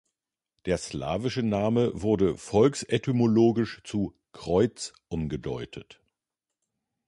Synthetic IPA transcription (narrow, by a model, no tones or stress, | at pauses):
d̥eːɐsla̰ːvɪʃənaːməvʊɐdəfɔlksʔɛtʰymoloːɡɪʃt͡su | kʁ̥ɔʏt͡sʔʊmɡədɔʏtʰət